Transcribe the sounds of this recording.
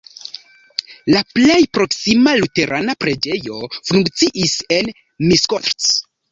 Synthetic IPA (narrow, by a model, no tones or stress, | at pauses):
laple̞jpɾo̞ksimalute̞ɾʔanapɾe̞d͡ʒe̞jo̞fuŋkt͡siʔise̞n | miskoɾt